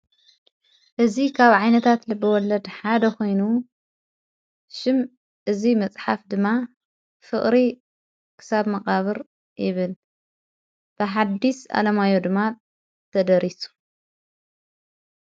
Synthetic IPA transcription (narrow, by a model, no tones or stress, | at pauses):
ʔɨzikʰaβʕajnɐt̪ʰat̪lɨbːɐwɔlːɐd̪ħad̪ɐko̞jnu | ʃɪm | ʔɨzimɐt͡sʼħafd̪ɨmːa | fɨχʼɾi | kʰɨ̥saβmɐkʼaβɨɾ | jɪβɨl | b̥ɨħad̪ːisa̰lɐmajod̪ɨmːa | t̪ʰɐd̪ɐɾisu̥